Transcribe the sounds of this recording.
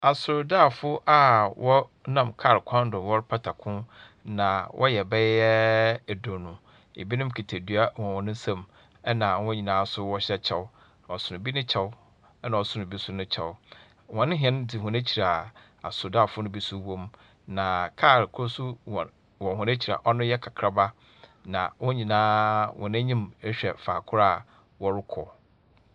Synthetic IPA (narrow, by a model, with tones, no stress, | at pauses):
a˨sʊ˨ɾdaː˦˨fʊ˦ʔa˦wʔɔ˦nã˦˨mkʰa˦˨ɾkʰɔ̃˦n˦dʊ̃˨wɔ˦ɾpʰa˦tʰa˨kʰʊ̃˦ | nã˨wʔɔ̰˦jɛ˨bɛ˦ɛ˦˨dʊ̃˨nʊ̃˨ | ḛ˨bi˦nʊ̃˦m˦kʰi˨tʰe˨dɥa˦wɔ̃˨wɔ̃˨nʊ̃˦sã˦m | ɛ˦nã˨˦wɔ̃˦ɲĩ˨nãː˨˦sʊ˦wɔ˦ɕɛ˦t͡ɕʰɛ˦w | n˨ɔ˨sʊ˨nʊ̃˨bi˦nʊ̃˦t͡ɕʰɛ˦wʊ˦ | ɛ˦nã˨ɔ˨sʊ˦nʊ̃˨bi˦sʊ˦nʊ̃˦t͡ɕʰɛ˨w | wɔ̃˨nɪ̃˦ɦɛ̃˦n˦dɪ˨hʊ̃˨ne˦t͡ɕʰi˨ɾa˨ | a̰˨sʊ˨da˦˨fʊ˦nʊ̃˦bi˦sʊ˦wɔ̃˦m | nã˨kʰa˦˨ɾɪ˨kʰsu˦˨ | wɔ̃˨ɦʊ̃˨ne˦t͡ɕʰi˨ɾa̰˨ʔɔ˦nʊ̃˦jɛ˦kʰa˨kʰɾa˦ba˦ | nã̰˨wɔ̃˦ɲĩ˨nãː˦wʔɔ̰̃˨nɛ̃˦ɲĩ˦me˦ɕᶣɛ˨faː˨kʰʊ˦ɾa˦˨ | wɔ˦ɾʊ˦kʰɔ˨